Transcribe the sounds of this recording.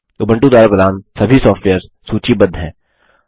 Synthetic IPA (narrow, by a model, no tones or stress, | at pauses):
ʊbʱə̃ɳʈũd̪waːɾapɾɐd̪aːnsɐbʱisɔːfʈʋeːəɾz | suːt͡ʃibɐd̪ʱɦɛ̰̃ː